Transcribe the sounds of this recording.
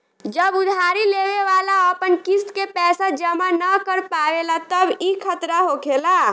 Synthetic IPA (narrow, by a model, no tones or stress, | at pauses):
d͡ʒəbʊd̪ʱaːɾileːweʋaːlaəpənkist̪kepɛːsad͡ʒəmanəkəɾpaːʋelat̪əbikʰət̪ɾaɦokʰela